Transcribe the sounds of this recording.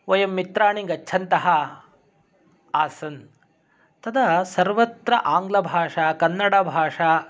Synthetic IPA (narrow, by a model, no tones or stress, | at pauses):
ʋɐjɐmːit̪ɾaːɳiŋɡɐt͡ʃːʃʰɐnt̪ɐɦɐ | aːsɐn | t̪ɐd̪ɐsɐɾʋɐt̪ɾɐʔaːŋɡlɐbʱaːʂaːkɐnːɐɽɐbʱaːʂaː